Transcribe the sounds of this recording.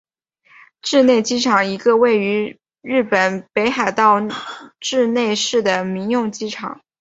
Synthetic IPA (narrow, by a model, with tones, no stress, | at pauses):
ʈ͡ʂɻ̩˥˧ne˥˩ɪt͡ɕi˥ʈ͡ʂʰɑ˨˩ŋi˧˥ɡə˧we˥˩ɪy˧˥ | ɻɻ̩˥˩pə˨˩npe˧˥ɪxa˨˩ɪt̪ɑ˥˧ʊʈ͡ʂɻ̩˥˧ne˥˧ɪʂɻ̩˥˩d̪ə˩mi˧˥ŋjʊ˥˧ŋt͡ɕi˥ʈ͡ʂʰɑ̰˨˩˦ŋ